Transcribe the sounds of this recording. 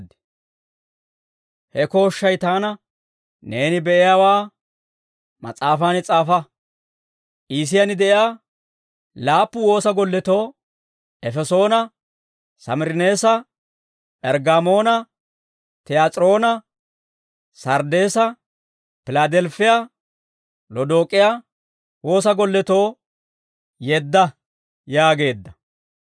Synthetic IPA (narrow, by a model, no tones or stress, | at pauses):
d̪ | hɛko̞ːʃːɐjt̪aːnɐ | ne̞ːnɪbɛʔɪjaːwaː | mɐ̰t͡sʼaːfaːnɪt͡sʼaːfɐ | ʔiːs̬ɪjanɪd̪ɛʔɪaː | laːpːʊwo̞ːsɐɡɔlːɛt̪oː | ʔɛfɛso̞ːnɐ | sɐmɪɾɪneːsɐ | pʼɛɾɡamo̞ːnɐ | t̪ɛjaːt͡sʼɾo̞ːnɐ | sɐɾd̪e̞ːsɐ | pɪlad̪ɛlfɪja | lɔd̪oːkʼɪjaː | wo̞ːsɐɡɔlːɛt̪o̞ː | jɛd̪ːɐ | jaːɡe̞ːd̪ːɐ